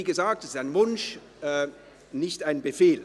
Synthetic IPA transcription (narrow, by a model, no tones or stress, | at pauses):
iːɡəzaːk̚tɛsɪ̥saɪnvʊnʃ | nɪçtaɪnbəfeːl